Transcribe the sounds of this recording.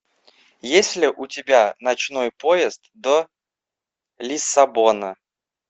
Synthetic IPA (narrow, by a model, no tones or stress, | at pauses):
jesʲlʲɪʔʊtʲɪbʲanɐt͡ɕno̞jpojɪst̪d̪o | lʲɪsɐbonə